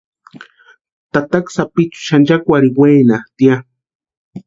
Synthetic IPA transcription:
t̪at̪aksapit͡ʃu̥ʃand͡ʒakʷaɾiweːnaht̪ia

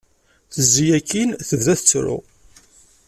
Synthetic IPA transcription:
θəzːijækːinθəvðæθət͡sːɾʊ̰

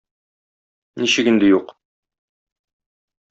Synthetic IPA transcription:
niɕɘkind̪ɘjuq

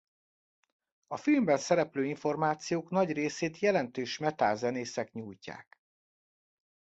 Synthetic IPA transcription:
ɒfilmbɛnsɛɾɛpløːiɱfo̞rmaːt̪sijoːknɒɟreːseːt̪jɛlɛnt̪øːʃmɛt̪aːzɛneːsɛkɲuːjca̰ːk

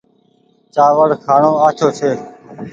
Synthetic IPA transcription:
t͡ʃaːʋəɽkʰaːɳõːaːt͡ʃ̪ʰoːt͡ʃʰeː

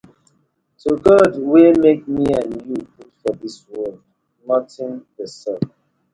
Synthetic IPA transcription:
toɡɔdwemek̚miãnjuputfɔðiswɔld | nɔtɪ̃nðəsɛp

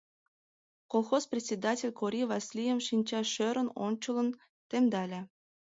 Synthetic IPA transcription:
kolˠxosprʲɪtʲt͡sʲed̪atʲelʲkoɾʲivɑsʲlʲijəmʃinʲt͡ɕɑʃø̆ɾə̆no̰nʲt͡ɕɤ̆lˠə̆n | t̪emd̪ɑlʲĕ

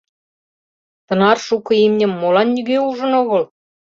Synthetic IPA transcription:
t̪ɤ̆nɑrʃukɤ̆imnʲə̆mːolɑnːyɣeuʒə̆noɣɤ̆l

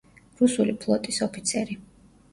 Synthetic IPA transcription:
ɾusulipʰlˠɔt̪ʼisɔpʰit̪sʰɛɾi

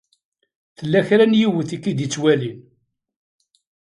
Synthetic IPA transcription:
θəlːæçɾænjiwəθikːid̪it͡sːwælin

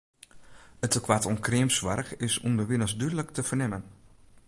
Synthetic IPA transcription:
ətəkʰʋatɔnkrɪəmsʋa̰rxɪsundəʋɪnəsdydələktəfərnɛmən

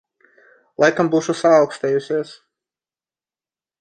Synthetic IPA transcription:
lˠajkambuːʃusaːwkst̪ɛːjusʲiɛs

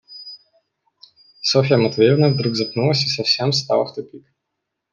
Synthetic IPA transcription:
sɔfʲɪjamɐt̪vʲeɾʲɪnəvd̪ɾuɡzɐpnulˠəsʲisɐfsʲemst̪a̰lˠɐxt̪ʊpʲik

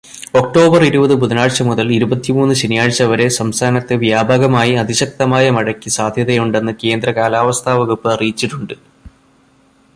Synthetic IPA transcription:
o̞k̚ʈo̞ːbɐriɾubɐðɨbud̪ɐnaːɻt͡ɕɐmuðɐliɾubɐt̪ːimuːnːuɕɐnijaːɻt͡ɕːɐʋɐɾe̞sɐmst̪ʰaːnɐt̪ːɨʋjaːbʱaːɡɐmaːjiɐd̪iɕɐk̚t̪ɐmaːjɐmɐɻɐkʲːisaːd̪ʱjɐðɐjuɳɖe̞nːɨke̞ːnd̪ɾɐkaːlaːʋɐst̪ʰaːʋɐɣupːɨɐrijt͡ɕːiʈːuɳɖɨ

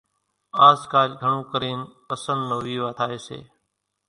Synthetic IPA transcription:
aːzkaːlɡʱəɳũːkəɾeːnpəsə̃nd̪noːʋiːʋaːt̪ʰaːeːsḛː

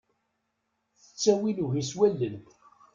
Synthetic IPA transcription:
θə̥t͡sːæwiluʝiswælːənt̪

